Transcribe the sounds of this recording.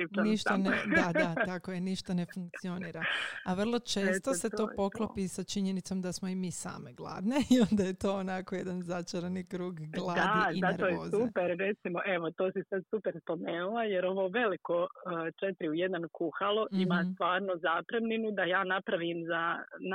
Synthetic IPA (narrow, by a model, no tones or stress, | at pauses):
iniʃt̪and̪ad̪at̪akojeniʃt̪ane̞fuŋk̚t̪sio̞niːɾaaʋr̩lˠo̞t͡ʃe̞ːst̪oe̞o̞ːpo̞klˠopisat͡ʃiɲe̞nit̪so̞md̪asmo̞imiːsa̰ːmeɡlˠa̰ːd̪ne̞io̞nd̪aje̞t̪o̞ːonako̞je̞d̪anzat͡ʃaɾenikɾuːɡɡlˠadaizinaɾʋojeoːzupeɾɾet̪simoʔeʋo̞t̪oːsisad̪supeɾspo̞me̞ːnulˠajeɾo̞ʋoːʋe̞likoət͡ʃet̪ɾiuje̞d̪nankuxalˠoʔimaːt̪ʋaːɾnozaːpɾemninud̪ajaːnapɾaʋimzan